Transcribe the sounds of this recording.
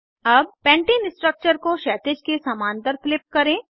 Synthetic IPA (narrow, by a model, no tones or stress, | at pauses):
ɐb̚pɛ̃ːɳʈiːnɪsʈɾək̚t͡ʃəɾkoʃɛːt̪ɪd͡ʒkesɐmaːnt̪əɾflɪp̚kɐɾẽː